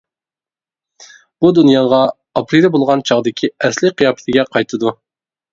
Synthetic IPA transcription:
b̥ud̪unjɑʁɑ | ɑpɾiɾbolˠʁɑnt͡ʃʰɑʁd̪ɪkʲʰiɛslɪqʰijɑːpʰɪ̥t̪ʰɪɡʲɛqʰɑjt̪ʰɨd̪u

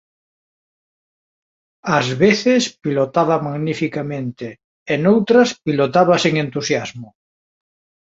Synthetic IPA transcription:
azβeθespilot̪aβamaɣnifikamẽnt̪e | enowt̪ɾaspilot̪aβaseŋẽnt̪usjazmo

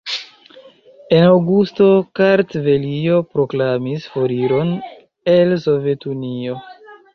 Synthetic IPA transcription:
e̞nawɡusto̞kaɾtve̞lio̞pɾo̞klamisfo̞ɾiɾo̞n | e̞lso̞vje̞tunio̞

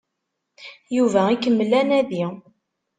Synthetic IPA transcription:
juvæikːəmːəlːænæði

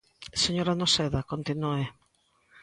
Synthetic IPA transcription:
seɲoɾanoseðakont̪inue

